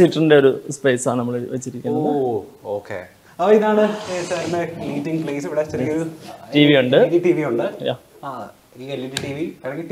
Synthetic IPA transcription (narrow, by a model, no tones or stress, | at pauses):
siʈːɐrinde̞o̞ɾuspeːsaːɳnɐmːɐɭʋet͡ɕːiɾikʲːunːɐoːkːḛ | ɐʋɐiðaːɳɨesɐenːeiːʈːiŋpɭeːsʋiɽet͡ɕːɐɾkːɐðɨʈiːʋiuɳɖɨtiʈiːʋiuɳɖɨja̰ː | aː | ielːuɾiʈiːʋikɐɾɐŋi